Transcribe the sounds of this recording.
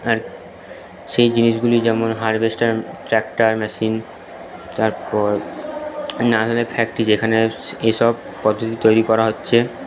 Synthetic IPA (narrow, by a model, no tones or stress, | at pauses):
aɾ | ʃejd͡ʑiniʃɡulid͡ʑɛmonɦaɾbesʈaɾʈɾɛk̚ʈaɾmɛʃin | t̪aɾpɔɾ | nad̪alepʰɛk̚ʈid͡ʑekʰaneeʃɔb̚ | pɔd̪ʱːot̪̬it̪ojɾikɔɾaɦotːɕʰe